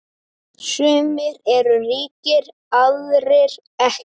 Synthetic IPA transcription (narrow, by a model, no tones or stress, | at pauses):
sʏːmɪɾɛɾʏriːcɪɾ | aðɾɪɾ | ɛh